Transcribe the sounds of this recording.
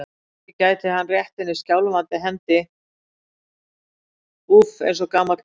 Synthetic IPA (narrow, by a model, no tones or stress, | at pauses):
ɪcaːjt̪ɪɦanːrjɛht̪ɪnːɪscawlʏmant̪ɪɦɛnt̪ɪ | ufḛjns̬ɔkaːmat̪